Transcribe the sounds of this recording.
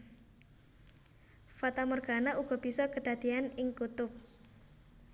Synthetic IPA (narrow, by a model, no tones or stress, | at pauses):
fat̪amɔrɡ̥a̤naʔuɡ̥ɔ̤b̥i̤sɔkəd̪̥a̤d̪̥ianɪŋkut̪ʊp̚